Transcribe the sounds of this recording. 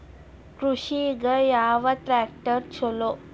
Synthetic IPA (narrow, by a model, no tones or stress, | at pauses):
kɾuɕiɡəjaʋat̪ɾæk̚ʈəɾt͡ɕʰolo